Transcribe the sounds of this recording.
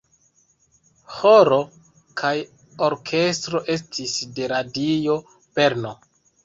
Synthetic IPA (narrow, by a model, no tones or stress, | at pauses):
hoɾo̞ | kʰaj | oɾkʰe̞stɾo̞ʔe̞stʰisde̞ɾadio̞ | pe̞ɾno